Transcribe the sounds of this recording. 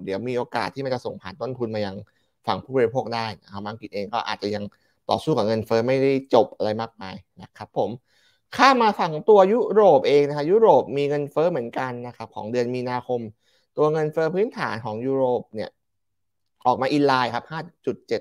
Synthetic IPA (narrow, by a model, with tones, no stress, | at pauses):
diː˩˦əwmiː˧ʔoː˧ka̰ː˨˩t̪ʰːiː˥˩m˧nt͡ɕa˨˩so˨˩ŋpʰaː˨˩˦nt̪o˥˩nt̪ʰu˧nmaː˧ja˧ŋ | fa˨˩ŋpʰuː˥˩bɔː˧ɾi˧pʰoː˥˩k̚daː˥˩jna˦˥kʰa˦˥pbaː˧ŋki˨˩t̪̚ʔeː˧ŋkɔː˥˩ʔa̰ː˨˩t̪̚t͡ɕa˨˩ja˧ŋ | t̪ɔ̰ː˨˩suː˥˩ka˨˩ŋɤ˧nfɤː˦˥ma˥˩jda˥˩jt͡ɕo˨˩p̚ʔa˧ɾa˧jmaː˥˩k̚maː˧jna˦˩kʰa˦˥pʰːo˩˦m | kʰaː˥˩mːaː˧fa˨˩ŋt̪u˧ɐju˦˥ɾoː˨˩p̚ʔeː˧ŋna˦˥kʰa˦˥ju˦˥ɾoː˨˩p̚miː˧ŋɤ˧nfɤː˦˥mɯ˩˦ənka˧nːa˦˥kʰa˦˥p̚kʰɔ̰ː˩˦ŋdɯ˧ənmiː˧naː˧kʰo˧m | t̪u˧ɐŋɤ˧nfɤː˦˥pʰɯː˦˥nt̪ʰa̰ː˩˦nkʰɔː˩˦ŋjuː˦˥ɾoː˨˩p̚ni˥˩ɐ | ʔɔː˨˩k̚maː˧ʔi˧nlaː˧jkʰa˦˥p̚haː˥˩t͡ɕu˨˩t̪̚t͡ɕe˨˩t̪̚